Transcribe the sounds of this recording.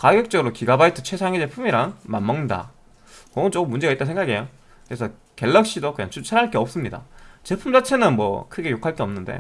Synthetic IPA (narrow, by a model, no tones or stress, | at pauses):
kaɡjʌk̚t͡ɕ͈ʌɡɯɾokiɡabaitʰɯ̥t͡ɕʰwe̞sʰaŋed͡ʑe̞pʰumiɾaŋmanmʌŋɲida̰ | kʌɯt͡ɕok͈ɯmːund͡ʑe̞ɡait͈ansʰe̞ŋɡaɡiejo | kɯɾesʰʌ | ke̞ɭːʌk̚ɕ͈idok͈ɯɲa̰t͡ɕut͡ɕʰaɾɦaɭk͈e̞ʌps͈ɯmɲida̰t͡ɕe̞pʰumd͡ʑat͡ɕʰe̞nɯnmwʌ̰kʰɯɡe̞jokʰaɭk͈eʌmnɯnde̞̰